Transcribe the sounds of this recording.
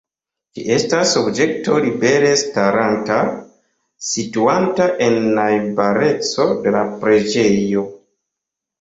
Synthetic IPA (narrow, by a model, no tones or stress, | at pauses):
kiʔe̞stasobd͡ʒe̞k̚to̞libe̞ɾe̞staɾanta | situantaʔe̞nːajbaɾe̞t͡so̞de̞lapɾe̞d͡ʒe̞jo̞